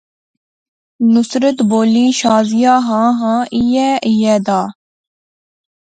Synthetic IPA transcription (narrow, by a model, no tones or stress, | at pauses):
nʊsɾət̪boːliːʃaːzɪjaːɦãːɦãːʔijɛːʔijɛːd̪aː